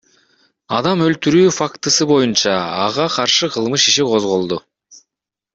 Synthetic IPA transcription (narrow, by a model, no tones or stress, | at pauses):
ɑd̪ɑmø̞lt̪yɾyːfakt̪ɯsɯbo̞junt͡ʃɑːʁɑqʰɑɾʃɯqʰɯlˠmɯʃiʃiqʰo̞zʁo̞lˠd̪u